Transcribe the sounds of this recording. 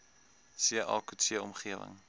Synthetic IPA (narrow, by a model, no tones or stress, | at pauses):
siəʔɑːkusiəɔmχiəvə̰ŋ